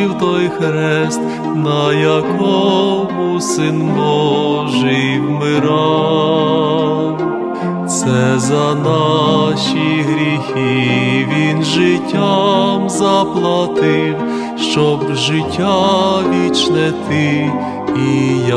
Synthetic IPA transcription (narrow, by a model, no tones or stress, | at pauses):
iwt̪ɔjxɾɛst̪ | nɐjɐkɔmʊsɪnbɔɔʒɛjwmɪɾɑ | w | sɛzɐnɑʃiɦɾʲixiʋʲinʒɪtʲːamzɐplˠɐt̪ɪw | ʃt͡ʃɔbʒɪtʲːaʋʲit͡ʃnɛt̪ɪ | ija